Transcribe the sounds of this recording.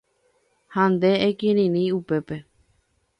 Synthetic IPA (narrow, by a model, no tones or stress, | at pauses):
hãnd̪e̞ekĩɾ̃ĩɾĩupe̞pe̞